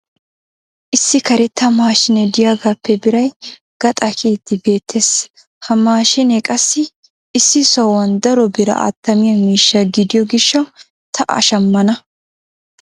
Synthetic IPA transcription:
ʔɪsːɪkɐɾɛt̪ːɐmaːʃɪnɛd̪ɪjaːɡapːɛbɪɾɐj | ɡ̥ɐt̪ʼɐkʰiːt̪ːɪbe̞ːt̪ʰːeːs | hɐmaːʃɪnɛkʼɐsːɪ | ɪsːɪsɔwɐnd̪ɐɾɔbɪɾɐ̰a̰ːt̪ːɐmɪjɐmiːʃːɐɡɪd̪ɪjɔɡɪʃːɐ | t̪ʰɐʔɐ̰ʃɐmːɐnɐ

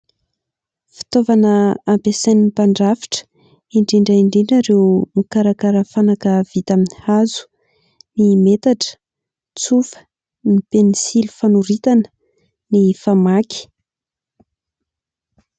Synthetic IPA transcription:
fi̥t̪ovanəːmpesanipaɳɖ͡ʐafi̥ʈ͡ʂə̥ | iɳɖ͡ʐiɳɖ͡ʐaiɳɖ͡ʐiɳɖ͡ʐaɾewmikaɾakaɾəfanakəv̥it̪aminihazu̥ | nimet̪aʈ͡ʂə̥ | t͡sufə̥ | nipenisilu̥fanuɾit̪anə̥ | nifamakʲi̥

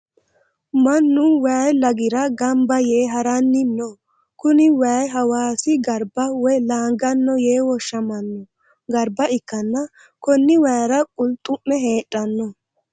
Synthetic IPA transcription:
mɐnːʊwɐjlɐɡɪɾɐɡɐmbɐjeːɦɐɾɐnːɪnːɔ | kʊnɪwɛjɦɐwaːsɪɡɐɾbɐwɛjlaːŋɡɐnːɔjeːwɔʃːɐmɐnːɔ | ɡɐɾbɐɪkːɐnːɐ | kɔnːɪwɛjɾɐkʼʊlt̪ʼːʊmːɛɦe̞ːtʼːɐnːɔ

